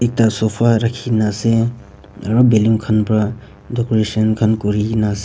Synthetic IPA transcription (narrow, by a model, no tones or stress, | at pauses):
ek̚tasopʰaɾɐkʰinase | ɐɾobelimkʰənpɾa | dɔkoɾesənkʰənkuɾinase